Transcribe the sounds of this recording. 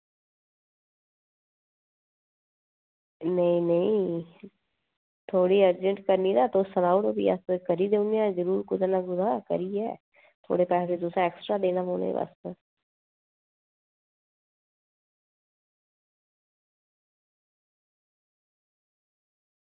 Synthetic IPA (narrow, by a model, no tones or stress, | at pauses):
nəĩnəĩ | t̪ʰoːɽiːəɾd͡ʒəɳʈkəɾninaːt̪oːsənaːʊʈobḭa̰sekəɾid̪eũniãzəɾuːɾkʊd̪anaɡʊzaːkə̰ɾiːɛ̰ː | t̪ʰo̰ːɽeːpɛːsed̪ʊsãeːksʈɾaːd̪eːnaːpoːnḛba̰stə